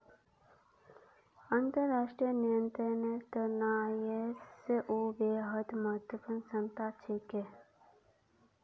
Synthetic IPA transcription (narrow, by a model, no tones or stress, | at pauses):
ə̃nt̪əɾːaːʂʈɾijənijə̃nt̪ɾənet̪ənaeseʔobeːɦəd̪məɦət̪wəpənsə̃nt̪at͡ʃʰeke